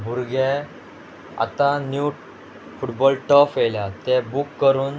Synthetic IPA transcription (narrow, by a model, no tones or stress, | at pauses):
bʱuɾɡɛ | a̰t̪ãnju | fuʈbɔlʈəfeljat̪ɛbukːəɾuːn